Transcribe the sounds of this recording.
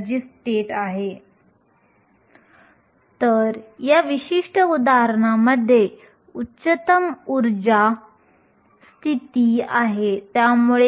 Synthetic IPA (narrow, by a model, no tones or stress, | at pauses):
d͡ʑisʈeʈaɦe | t̪əɾjaʋiɕiʂʈʰəud̪aɦəɾəɳaməd̪ʱːje | uːɕət̪əmuɾd͡ʑa | st̪ʰit̪iaɦet̪jamuɭe